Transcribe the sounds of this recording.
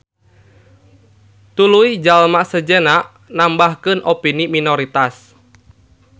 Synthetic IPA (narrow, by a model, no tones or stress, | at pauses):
t̪uluid͡ʒalmaʔsəd͡ʒenaʔ | nambahkɨnʔopiniminɔɾit̪as